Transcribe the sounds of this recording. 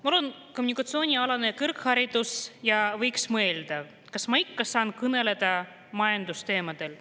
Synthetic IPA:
mɑolenkomunikːˑɑt̪sio̞ːnʲiɑlɑnekɯrkhɑɾid̪̥usjɑvɤjksmɤld̪̥ɑ | kɑsmɑikːɑsɑːnkɯne̞le̞d̪̥ɑ | mɑjɑnd̪̥ust̪e̞ːmɑd̪̥e̞l

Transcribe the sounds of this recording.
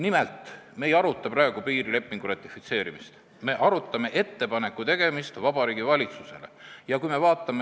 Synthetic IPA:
nimelt̪ˑmejɑɾut̪ːˑɑprɑeɡ̥upiːɾile̞pːˑiŋɡ̥urɑt̪ʲˑːifit̪se̞ːɾimist̪ | me̞ʔɑɾut̪ːˑɑme̞ʔe̞t̪ːe̞pɑne̞kːˑut̪e̞ɡ̥e̞mist̪vɑb̥ɑɾiːɡ̥ivɑlʲit̪suse̞le̞̰jɑkujme̞vɑːt̪ːˑɑme

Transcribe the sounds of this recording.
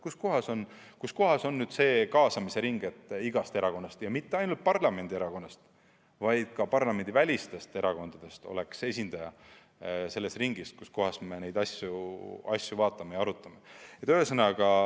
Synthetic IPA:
kusko̞ɦɑso̞n | kusko̞ɦɑso̞nːyːd̪̥se̞ːkɑːsɑmise̞ɾiŋɡ̥e̞t̪ːˑiɡ̥ɑst̪eɾɑko̞nːɑst̪jɑmit̪ːe̞ɑjnult̪̚pɑrlɑme̞nʲd̪̥ie̞ɾɑko̞nːɑst̪ | vɑjd̪̥̚kɑpɑrlɑme̞nd̪ivælʲist̪e̞st̪e̞ɾɑko̞nd̪̥ɑd̪̥e̞st̪o̞̰le̞kse̞sʲind̪̥ɑjɑ | se̞lːe̞st̪riŋɡ̥iskusko̞ɦɑsme̞ne̞jd̪ɑsʲjuɑ̰sʲjuvɑːt̪ːˑɑmejɑɑɾut̪ːˑɑme̞jɑt̪øːesɤnɑɡɑ

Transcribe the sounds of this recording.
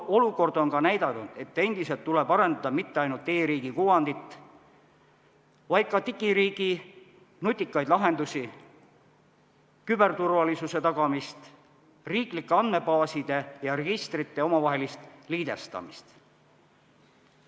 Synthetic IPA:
o̞luko̞rd̪o̞nkɑnæjd̪ɑnud̪̥e̞t̪ːˑe̞nd̪̥ise̞lt̪ːule̞bɑɾe̞nd̪̥ɑd̪̥ɑmit̪ːeɑjnult̪e̞ːɾiːɡikuwɑnd̪it̪ˑː | vɑjd̪̥̚kɑt̪ikiɾiːɡ̥i | nut̪ʲːˑikːˑɑjd̪lɑɦe̞nd̪usi | kybe̞rt̪urvɑlisuse̞t̪ɑɡ̥ɑmist̪ | riːklikːeɑnd̪me̞bɑːsid̪̥e̞jɑreɡ̥ist̪rit̪ːe̞o̞mɑvɑɦe̞list̪liːd̪e̞st̪ɑ̰mist̪

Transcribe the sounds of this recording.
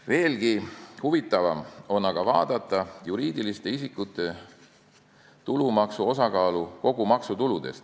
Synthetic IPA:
ve̞ːlɡ̥ihuvit̪ːˑɑvɑmo̞nːɑɡ̥ɑvɑːd̪̥ɑt̪ːˑɑjuɾiːd̪ilist̪e̞isikːˑut̪ːˑe̞ | t̪ulumɑksuo̞sɑkɑːluko̞ɡ̥umɑksut̪ulud̪̥e̞st̪

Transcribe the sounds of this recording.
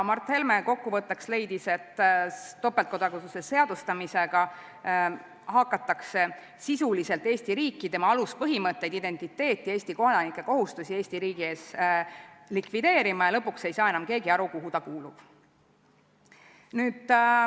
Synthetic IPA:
mɑrt̪he̞lmeko̞kːuvɤt̪ːˑɑksle̞jd̪ise̞t̪ː | o̞pːˑelt̪̚ko̞d̪̥ɑkut̪usese̞ɑd̪̥ust̪ɑmise̞ɡ̥ɑ | ɦɑkːˑɑt̪ːˑɑkse̞ | sisulise̞lt̪ːˑe̞ːsʲt̪iɾiːkːˑit̪emɑɑluspɤɦimɤt̪ːe̞jd̪id̪̥e̞nt̪ˑit̪ːe̞ːt̪ˑːie̞ːsʲt̪ikod̪ɑnikːˑe̞ko̞ɦust̪usie̞ːsʲt̪iɾiːɡ̥ie̞ːs | likvid̪̥e̞ːɾimɑjɑlɤ̞pːˑukse̞jsɑːenɑmke̞ːɡiɑɾukuɦut̪ɑkuːlub̥ | nyːd̪̥

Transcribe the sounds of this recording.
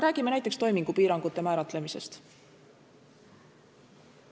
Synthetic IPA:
ɾæːɡ̥imeæjt̪ˑekst̪o̞jmiŋɡ̥upiːɾɑŋɡ̥ut̪ːe̞mæːɾɑt̪ˑle̞mise̞̰st̪

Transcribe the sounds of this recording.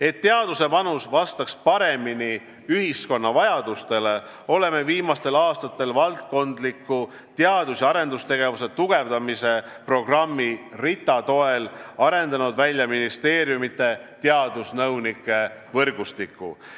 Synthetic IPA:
e̞t̪ːeɑd̪̥use̞pɑnusvɑst̪ɑkspɑɾe̞mini | yhisko̞nːɑvɑjɑd̪̥ust̪e̞le̞ | o̞le̞me̞viːmɑst̪e̞lɑːst̪ɑt̪ːˑe̞lvɑlt̪̚ko̞nd̪likːˑu | t̪eɑd̪usjɑɾe̞nd̪ust̪e̞ɡ̥e̞vuse̞t̪uɡ̥e̞vd̪ɑmise̞pro̞ɡ̥rɑmːirit̪ːˑɑt̪o̞e̞lɑɾe̞nd̪̥ɑnud̪vælʲjɑminist̪e̞ːɾjumit̪ːˑe̞t̪eɑd̪̥usnɤwnikːˑe̞vɤrɡust̪ikːˑṵ

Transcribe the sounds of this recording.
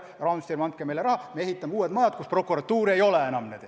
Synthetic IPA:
rɑnst̪irmɑnt̪̚kemelerɑhɑmee̞ɦit̪ːɑmːeuːet̪mɑjɑt̪̚kuspro̞kːuɾɑt̪ːuːɾiejo̞leenɑmnet̪

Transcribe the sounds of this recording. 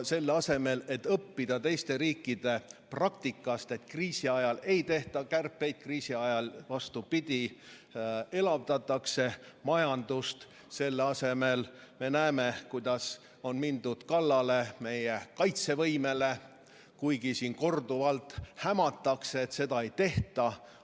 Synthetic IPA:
se̞lːɑse̞me̞le̞t̪ːˑɤpːid̪̥ɑt̪e̞jst̪e̞ɾiːkːˑid̪̥e̞prɑk̚t̪ikːˑɑst̪e̞t̪ːkriːsiɑjɑle̞jt̪e̞ht̪ɑkærpːe̞jd̪̥̚kriːsiɑjɑlvɑst̪upid̪̥ʲi | e̞lɑvd̪ɑt̪ːˑɑkse̞mɑjɑnd̪̥ust̪ | se̞lːɑse̞melme̞næemekujd̪̥ɑs | o̞nmind̪ud̪̥kɑlːɑle̞me̞jekɑjt̪se̞vɤjme̞le̞ | kujɡisiːnko̞rd̪uvɑlt̪ːˑhæmɑt̪ːˑɑkseːt̪se̞d̪ɑe̞jt̪e̞ht̪ɑ

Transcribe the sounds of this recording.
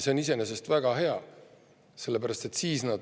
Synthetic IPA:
se̞onise̞ne̞se̞st̪væɡ̥ɑɦe̞ɑ̰ | se̞lːe̞pæɾɑst̪e̞t̪siːsnɑd̪

